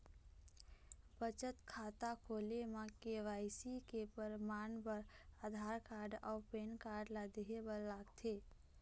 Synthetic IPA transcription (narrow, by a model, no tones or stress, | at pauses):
bət͡ʃət̪kʰaːt̪akʰoːlemãkeʋaːɪsikepəɾmaːnbəɾad̪ʱaːɾkaːɾɖɔːpeːnkaːɾɖlad̪eɦebəɾlaːɡt̪ʰe